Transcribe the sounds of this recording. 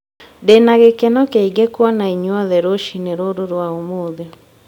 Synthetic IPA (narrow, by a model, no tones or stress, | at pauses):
denaɣekɛnɔkɛiɡɛkwɔnaiɲwɔðɛɾoʃineɾoɾoɾwaomoðjɔ